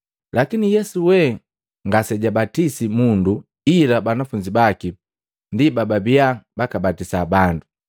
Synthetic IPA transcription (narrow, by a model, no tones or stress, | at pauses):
lakinijɛsuwɛ | ŋɡasɛɟabatisimundu | ilabanafuɲd͡ʒibaki | ndibababiabakabatisabandu